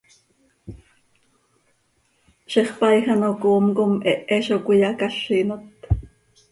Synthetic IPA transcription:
ʃeχpɑjxanokoːmkomʔɛʔɛʃokʷijɑkaɬːiːnot̪

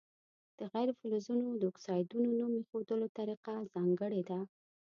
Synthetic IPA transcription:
d̪̥əɣajɾefulozunod̪əʊksɑjd̪unonumexod̪əlot̪aɾiqazɑŋɡəɽed̪a

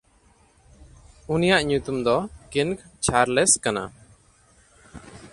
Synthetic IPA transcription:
unijaʔɲut̪umd̪ɔkinkt͡ʃʰaɾlɛskana̰

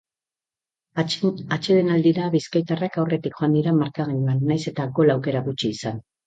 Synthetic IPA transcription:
at͡ʃeðenald̪iɾaβiskajt̪arakawre̞t̪ikʝoand̪iɾamaɾkaɣiɲanːajse̞t̪ako̞lawke̞ɾaɣut͡ʃiːsan

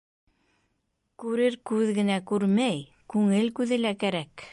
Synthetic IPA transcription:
kʉɾɘɾkʉðɡɘ̆nækʉɾmæj | kʉŋɘlkʉðɘ̆lækæɾæk

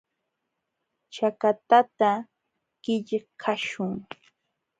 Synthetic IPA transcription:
t͡ʃakat̪at̪a | ɢ̥ɪʎkʰaʃʊŋ

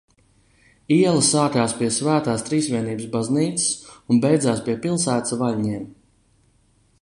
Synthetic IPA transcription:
iɛlˠasaːkaːspiɛsvæːt̪aːst̪ɾiːsvʲiɛniːbəsbazniːt̪sɨ̥sunbɛjd̪zaːspiɛpilˠsæːt̪svalʲɲiɛm

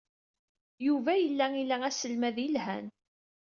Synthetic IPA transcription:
juvæjəlːæilææsəlmæðjəlhæn

